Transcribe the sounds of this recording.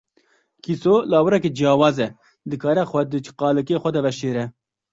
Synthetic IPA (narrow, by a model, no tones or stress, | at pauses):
kʰisoːlɑːwɨɾɛked͡ʒiɑːwɑːzɛ | d̪ɨkʰɑːɾɛxʷɛd̪ɨt͡ʃʰqɑːlɨkeːxʷɛd̪ɛvɛʃeːɾɛ